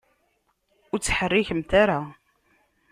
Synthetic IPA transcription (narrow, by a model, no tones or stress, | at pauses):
ʊɾt͡sːə̥ħərːiçəmt̪aɾa